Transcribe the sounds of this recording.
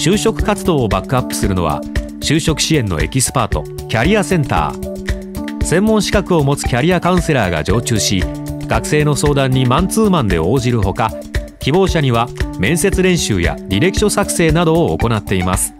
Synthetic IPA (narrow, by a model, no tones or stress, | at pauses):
ɕɨːɕo̞kɯ̟̥kat͡sɨd̪o̞ːobakːɯ̟apːɯ̟̥sɨɾɯ̟no̞̰β̞a̰ | ɕɨːɕo̞kɯ̟̥ɕiẽ̞nːo̞̰e̞̰kʲisɨ̥paːt̪o̞̰ | kʲaɾʲiasẽ̞nt̪a̰ː | sẽ̞mːõɰ̃ɕi̥kakɯ̟o̞mo̞t͡sɨ̥kʲaɾʲiakaɯ̃se̞ɾaːɡa̰d͡ʑo̞ːt͡ɕɨːɕiɡ̥akse̞ːno̞so̞ːd̪ãɲ̟ːimãnt͡sɨːmãnd̪e̞o̞ːʑiɾɯ̟ɦo̞ka | kʲibo̞ːɕaɲ̟iβamẽ̞ɰ̃se̞t͡sɨɾẽ̞ɰ̃ɕɨ̰ːja̰ɾʲiɾe̞ki̥ɕo̞sakɯ̟̥se̞ːnad̪o̞ːko̞nat̪ːe̞imasɨ̥